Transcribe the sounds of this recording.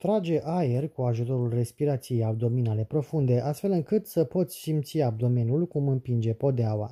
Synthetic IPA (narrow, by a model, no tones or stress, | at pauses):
t̪ɾad͡ʒe̞ʔajerkuaʒut̪o̞ɾulre̞spiɾat̪sijejawd̪o̞minale̞pɾo̞fund̪e̞ʔast̪fe̞lɨŋkɨt̪səpo̞t̪sʲsimt̪siab̚d̪o̞me̞njulkumɨmpind͡ʒe̞po̞d̪eawa̰